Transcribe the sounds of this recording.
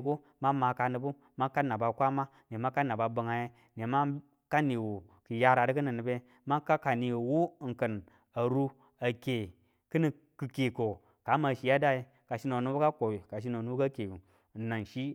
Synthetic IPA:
ko˦ | ma˦ma˨ka˨nɨ˨bu˦ | ma˦ka˦na˨ba˨kʷa˦ma˦ | ne˨ma˦ka˦na˨ba˨bə˨ŋa˨je˦ | ne˨ma˦ | ka˦ni˨wo˨ | ki˨ja˦ɾa˨dɨ˦k̬ɨ˦nɨ˨nːɨ˨be˦ | ma˦ka˦ka˨ni˨wu˦˨ŋ̩˨kə˨n | a˨ɾu˦ | a˨ke˨ | kɨ˦ni˨ | kɨ˨ke˨ko˨ | ka˨˦ma˨ʃi˨ja˦da˦ji˦ | ka˨ʃi˦no˨nu˦bka˦ko˨i˨ka˨ʃ̬i˦no˨nu˦bka˦ke˨ | na˨nʃi˦

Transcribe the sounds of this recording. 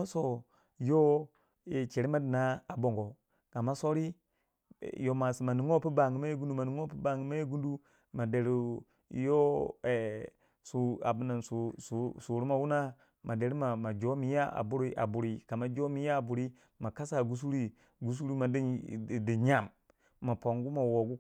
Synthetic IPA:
ma˦so˦ | jo˦ | e˨t͡ʃe˨ɾi˦ma˦di˨na˦a˨bo˨ŋɡo˨ | ka˨ma˦so˦ɾḭ˦˨ | jo˨ma˨si˨ma˨ni˨ŋo˦pi˦ba˨ŋi˨ma˦je˦ɡu˦ndu˦ma˨ni˨ŋo˦pi˦ba˨ŋɡi˨˦ma˦je˦ɡu˦ndu˦ | ma˨de˨ɾi˦˨˦ | jo˦e˨ | su˨a̰˨bu˨na˨nsu˨su˨su˨ɾi˦ma˨wu˦na˦ | ma˨de˨ɾi˦ma˨ma˨d͡ʒo˦mi˨˦ja˦a̰˨bu˦ɾi˦ʔa̰˨bu˨ɾi˨ka˨ma˦d͡ʒo˦mi˦ja˦˨bu˨ɾi˦ | ma˨ka˦sa˦˨ɡu˦s̬u˦ɾi˦ | ɡu˦s̬u˦ɾi˦ma˨di˦˨di˨ɲa˦˨mː | a˨po˨ŋɡu˦ma˨wo˨ɡu˦

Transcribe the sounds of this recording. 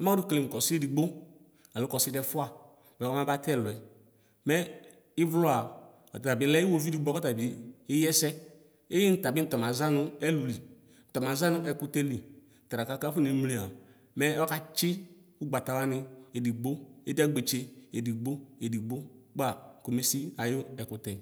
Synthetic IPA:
ɔ˦ma˦du˦kle˨kɔ˨si˦e˦di˨ɡ͡bo˦ | a˨lu˨˦kɔ˨si˦dɛ˦fʊ˦a˨ | ɛ˨˦ɔ˦ma˦ba˦tɛ˦˨lɛ˨ | mɛ˦ | i˦vlo˦a˨ | ɔ˨ta˨ta˨bi˨˦lɛ˦i˦wo˦vi˦di˨ɡ͡bɔ˦kɔ˦ta˨biː˨˦jɛ˦sɛ˦ | e˦ji˦n̩˨ta˨bi˦tɔ˨ma˨za˦nʊ˦ɛ˦lu˨li˨ | n̩˨tɔ˨ma˨za˦nʊ˦ʔɛ˨ku˦tɛ˦li˨ | n̩˨tɾa˨ka˦ka˦fu˦ni˨˦m˦li˨˦a˨ | mɛ˦ɔ˦ka˦t͡ʃɪ˦ | u˦ɡ͡ba˨ta˨wa˦nɪ˧e˨di˨ɡ͡bo˦e˦dɛ˦ɡ͡be˨t͡ʃe˦e˨di˨ɡ͡bo˦e˨di˨ɡ͡bo˦ɡ͡ba˦˨ko˨me˦si˦a˨jʊ˦ɛ˨kʊ˨tɛ˨

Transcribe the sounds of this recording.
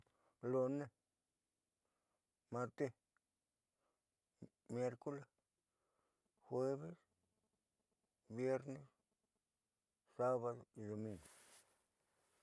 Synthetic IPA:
lo˧ne˦ | ma˧ɾt̪e˧ | mje˧ɾko˦le˨ | xwe˦βe˦s | bje˦ɾne˦s | sa˦βa˧ðo˧d̪o˨mĩ˧ŋɡo˨

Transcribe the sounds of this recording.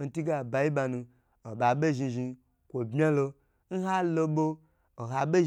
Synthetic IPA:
n̩˨ti˦ɡa˨ba˧ji˦ɓa˧nũ˧ | o˨ɓa˨ɓe˦ʒi˧ʒi˧ | kʷo˨bmʲ˦a˦lo˧ | n̩˦ɦa˦lo˧ɓo˦ | o˨ɦa˨ɓe˦ʒ

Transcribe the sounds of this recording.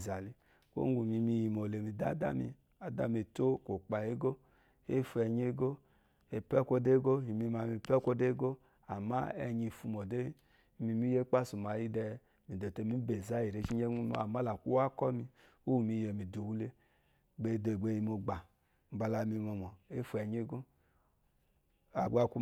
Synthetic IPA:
za˨li˨ | ko̰˦ɡu˨mi˧mi˧˨ji˨mo˨le˨mi˧da˦da̰˦mḭ˧ | a˨da̰˦me˧to˦ko˨k͡pa˨je˦ɡo˦ | e˦˨fu˧ɛ˧ɲe˦ɡo˦ | e˧pɛ˦kʷo˧de˦ɡo˦ji˨mi˧ma˧˨mi˧˨pɛ˦kʷo˦de˦ɡo˦ | a˨ma˦ɛ˧ɲi˧˨fu˧mɔ˨de˦˨˦ | mi˧mi˦je˦k͡pa˦˨su˨ma˨ji˦dɛ˧ | mi˨do˨te˧˦mi˦be˨za˦i˨ɾe˧˦t͡ʃi˦ɲe˦u˦ma̰˦a˨ma˦la˨kʷu˦wa˦kɔ˦mi˧ | u˦˨mi˧˨jɛ˨mi˨du˨wu˦le˧˦ | ɡ͡be˧˨do˧˨ɡ͡be˧˨ji˧mo˧ɡ͡ba˨ | m̩˨ba˧la˧mi˧mɔ˧mɔ˨e˦fu˧˦ɛ˨ɲe˦ɡo˦ | a˨ɡ͡ba˧˨ku˦

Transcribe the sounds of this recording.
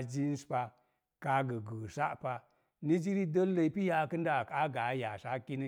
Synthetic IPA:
d͡ʒi˦n˦spa˧ | ka˦ɡə˨ɡə˨sa̰˦ʔpa˧ | ni˦d͡ʒi˦ɾi˦də˦lə˧i˦pi˦ja˧kɨ˦nda˦˨ka˦ɡa˨˦ja˨sa˦ki˦ni˦

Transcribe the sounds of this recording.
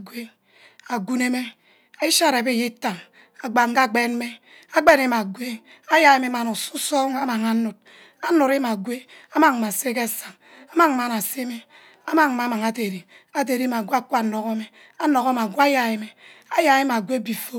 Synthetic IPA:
ɡʷwe˦ | a˨ɡu˦ne˦me˦ | e˦ʃa˦˨ɾe˨be˦˨je˦ta˨ŋ | a˨ɡ͡ba˨ŋ̩˦ka˦˨ɡ͡be˦n˦me˦ | a˦ɡ͡be˦ne˦m˨a˨ɡʷe˦ | a˦ja˨˦e˦me˦ma˨nu˨su˦sɔ˦ŋa˦ma˨ŋa˨nu˨t̚ | a˦nu˨ɾe˦ma˨ɡwe˦a˦ma˨ŋ˨ma˨se˦ke˦˨sa˨ŋ | a˦ma˦ŋ˨ma˨na˨se˦me˦ | a˦ma˦ŋ˨ma˨˦ma˨ŋa˨te˨ɾi˨ | a˨t̬e˨ɾi˦ma˨ɡʷe˦a˦ku˦a˨no˨ko˦me˦ | a˦no˨ko˦m˨a˨ɡʷa˦ja˨e˦me˨a˦ja˨e˦ma˨ɡʷe˦bi˨fo˦

